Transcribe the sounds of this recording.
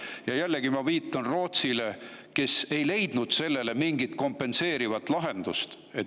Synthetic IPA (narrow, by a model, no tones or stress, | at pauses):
jɑjælːeɡimɑviːt̪ːˑɑnro̞ːt̪sile̞ke̞se̞jle̞jd̪̥nud̪̥se̞lːe̞le̞miŋɡit̪ko̞mpːˑe̞nse̞ːɾivɑt̪ːˑlɑɦe̞nd̪̥ust̪ | e